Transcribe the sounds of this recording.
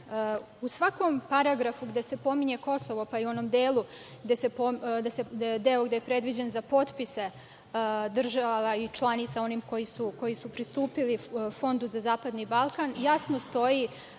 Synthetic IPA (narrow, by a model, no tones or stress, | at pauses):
usʋako̞mpaɾaɡɾafuɡd̪e̞se̞po̞miɲe̞ko̞so̞ʋo̞paiuo̞nomd̪eːlˠu | ɡd̪e̞se̞poɡd̪esed̪eoɡd̪e̞jepɾe̞d̪ʋid͡ʑenzapo̞t̪pise̞ | d̪r̩ʒaʋait͡ʃlˠanit̪sao̞niːmko̞jisuko̞jisupɾist̪uːpilifo̞nd̪uzazaːpad̪nibalˠkanjasnost̪o̞ji